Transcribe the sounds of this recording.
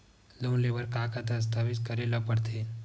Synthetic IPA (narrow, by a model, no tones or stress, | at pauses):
loːnleːʋəɾkaːkad̪ɐs̬t̪ʰaːbɪt̪kɐɾeləpəɽt̪ʰeː